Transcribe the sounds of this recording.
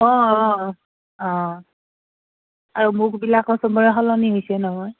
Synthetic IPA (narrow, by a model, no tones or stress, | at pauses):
ɔ̃ɔ | ɔ̃ | aɹumʊɹkbilakɔsɔmɔɹɛɦɔlɔniɦojsɛnɔɦɔj